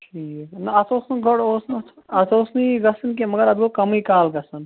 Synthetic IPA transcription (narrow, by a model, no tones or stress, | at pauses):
ʈʰiːkknɐɐt̪oːsnuɡʱɐɽoːsn | ɐt̪oːsniɡɐsɐnk̬emɐɡəɾɐd̪ɡokɐmikaːlɡɐsɐn